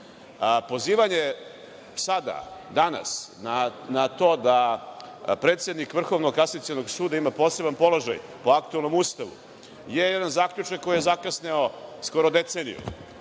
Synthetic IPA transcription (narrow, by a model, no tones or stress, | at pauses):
po̞ziːʋaɲe | sad̪a̰d̪ana̰snanat̪o̞ːd̪a | pɾet̪sje̞d̪nikʋr̩xo̞ʋnoɡkasit̪sienoɡsuːd̪aimapo̞ːse̞banpo̞loʒa̰jpo̞akt̪uelˠno̞must̪aʋṵ | jejed̪anzaːkʎut͡ʃakːo̞jijezakasneosko̞ɾod̪et̪seːnḭjṵ